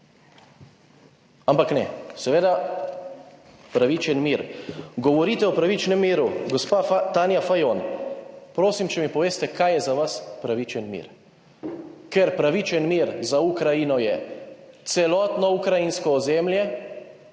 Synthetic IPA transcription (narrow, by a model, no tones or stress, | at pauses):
ampaknɛ̰sɛʋeːd̪a | pɾaʋit͡ʃɛnmiːɾɡɔʋɔɾit̪ɛɔpɾaʋit͡ʃnɛmːiːɾuɡɔspat̪aːnjafajon | pɾoːsimt͡ʃɛmipɔʋeːst̪ɛkʰajɛzaʋaspɾaʋit͡ʃɛnmḭːɾ | kɛɾpɾaʋit͡ʃɛnmiːɾzaukɾajinɔjɛt̪sɛlɔːt̪nɔukɾajinskɔːzɛmljɛ